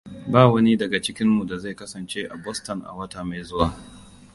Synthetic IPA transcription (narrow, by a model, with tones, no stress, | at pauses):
baː˦˨wɐ˦ni˦dɐ˨ɡa˨t͡ʃɪ˦kʲɪ˦mːu˨da˨za˦˨jkɐ˦sɐ˨nt͡ʃeː˦ʔa˨bɔ˦stɐ˨nʔa̰˨wɐ˦ta˨ma˨jzʊ˦waː˨